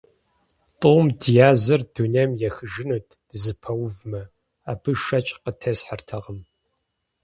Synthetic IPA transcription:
tʼʊmdijaːzɨrdunɐmjɛxɨʒɪnuːtʰd̥ɨzɨpʰɐwvmɐ | aːbɨʃɐt͡ʃʼqətʰɐsħartʰɐʁəm

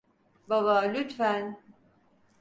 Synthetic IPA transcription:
baβalyt̪fæn

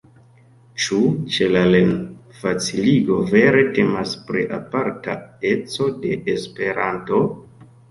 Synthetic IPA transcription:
t͡ʃut͡ʃe̞lalen | fat͡siliɡo̞ve̞ɾe̞te̞maspɾḭʔa̰paɾta̰e̞t͡so̞de̞ʔespe̞ɾanto̞

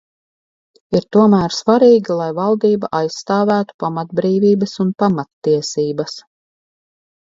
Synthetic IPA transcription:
iɾt̪uɔmæːɾsvaɾiːɡʲilˠajvalˠd̪iːbaʔajsːt̪aːvæːt̪u̥pamat̪̚bɾiːviːbɐsunpamat̪ːiɛsiːbɐs

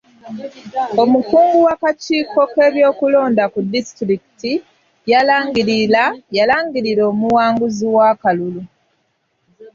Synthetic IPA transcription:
o̞mukuːŋɡuwakaciːko̞ke̞ːβjo̞ːkulo̞ːndakudːistɾiki̥ti | jalaːŋɡiɾilajalaːŋɡiɾiɾo̞ːmuwaːŋɡuziwakalulu

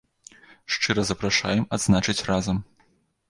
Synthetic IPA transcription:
ʂt͡ʂɨɾɐzɐpɾaʂa̰jɛmad̪znat͡ʂɨt͡sʲrazɐm

